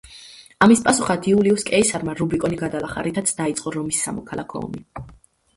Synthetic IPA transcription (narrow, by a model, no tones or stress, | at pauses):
amispʼasuχad̪ʰiuliuskʼɛisaɾmaɾubikʼɔniɡad̪alˠaχa̰ɾit̪ʰat̪sʰd̪ait̪sʼqʼɔɾɔmisːa̰mɔkʰalˠakʰɔ̰ɔ̰mi